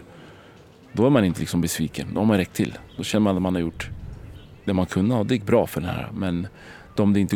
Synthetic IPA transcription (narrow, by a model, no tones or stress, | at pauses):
d̪ɔæɾmanɪnt̪əlɪksɔmbɛsviːkənd̪ɔ̰haɾmanɾɛkt̪ʰːɪlːd̪ɔɕɛnːəɾmanat̪manhaɾjʊʈː | d̪̥ɛmankʰɵnːəhɑd̪ɛjɪk̚ːbɾɑːfœɖɛnhæ̰ːɾa̰mɛn | d̪ɔmd̪ɛɪnt̪ə